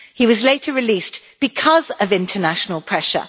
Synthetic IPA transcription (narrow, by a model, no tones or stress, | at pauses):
hiwɒzleɪtʰəɹɪliˑsb̥ɪkʰɒzəvɪ̃ntʰənaʃənəlˠpʰɹ̥ɛʃə̰